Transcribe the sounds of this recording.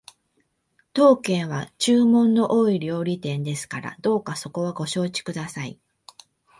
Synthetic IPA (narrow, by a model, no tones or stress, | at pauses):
t̪o̞ːkẽ̞ɰ̃β̞at͡ɕɨːmõ̞nːo̞ʔoːiɾʲo̞ːɾʲit̪ẽ̞nd̪e̞sɨ̥kaɾa̰d̪o̞ːkaso̞ko̞βaɡo̞ɕo̞ːt͡ɕi̥kɯ̟d̪asaḭ